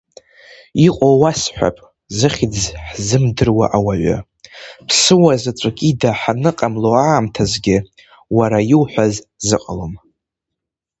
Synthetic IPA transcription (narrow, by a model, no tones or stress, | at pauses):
iqʷʼowasħᶣʷa̰pʼ | zɨχʲid͡zħzɨmdɨrwa̰ʔawaɥʷa̰ | pʰsɨwazat͡sʷʼakʲʼidaħanɨqʼamloaːmtʰazɡʲɪ | waɾajɪwħʷaz | zɨqʼa̰lom